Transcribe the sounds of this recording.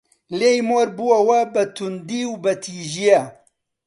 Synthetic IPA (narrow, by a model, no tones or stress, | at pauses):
leːjmoːɾbuwɐwɐbɐt̪ʰund̪iːwbɐt̪ʰiːʒijɐ